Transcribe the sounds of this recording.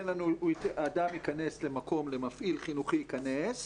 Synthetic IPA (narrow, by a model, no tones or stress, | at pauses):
nlanuiaːdamikane̞sle̞mako̞mle̞mafʔilχinuχiikanes